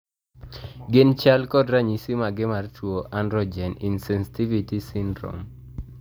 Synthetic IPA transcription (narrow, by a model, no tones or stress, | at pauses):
ɡɪnt͡ʃalkɔdɾaɲisimaɡɪmartwoʔandɾɔd͡ʒɛninsɛnsi̥tivitisindɾɔ̰m